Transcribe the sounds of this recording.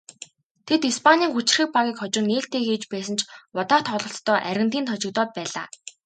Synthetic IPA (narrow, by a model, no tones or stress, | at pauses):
t̪ʰet̪ispʰanʲiːŋxut͡ɕ̆rxĭk̚paɣʲiːkχɔt͡ɕɪ̆nːeːɬt̪ʰeːxiːt͡ɕpæːsə̆nt͡ɕʊt̪aːt̪χɔɮɞ̆ɬt̪t̪ːœːʔæɾʲɪ̆nt̪iːnt̪ʰɔt͡ɕɪ̆k̚t̪ɔːt̪̚pæːɮa̰ː